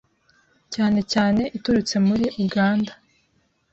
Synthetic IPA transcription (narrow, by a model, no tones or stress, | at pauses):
caːne̞caːne̞ʔituɾut͡se̞muɾiʔuɡaːnda